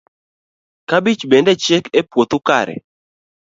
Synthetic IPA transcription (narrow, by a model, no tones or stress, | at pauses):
kabit͡ʃbendɛt͡ʃekepwot̪ʊkaɾɛ̰